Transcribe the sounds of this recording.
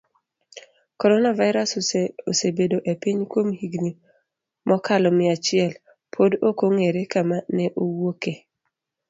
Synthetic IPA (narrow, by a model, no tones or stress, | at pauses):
kɔɾɔnavaɪɾasosebedoʔepiɲkwomhiɡni | mʔɔkalɔmɪat͡ʃɪɛl | pʰodokoŋeɾekamanɛʔowoke